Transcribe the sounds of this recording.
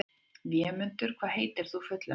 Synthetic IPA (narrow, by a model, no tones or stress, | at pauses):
vjɛːmʏnt̪ʏɾ̥kʰv̥aːðɦeːjt̪ɪɾ̥θufœt̪la